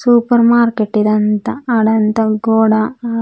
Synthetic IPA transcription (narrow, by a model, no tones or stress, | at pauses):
suːpɐɾmaːɾkeʈːid̪ɐnt̪ɐɐɽɐnt̪ɐɡoːɽɐ